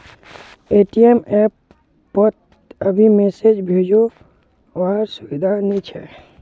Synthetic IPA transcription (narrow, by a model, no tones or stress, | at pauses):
eʈiemepː | ət̪̚ | əbʱimesed͡ʒbʱed͡ʒo | ʋaɦəɾsʊbid̪ʱanit͡ʃʰɛ̰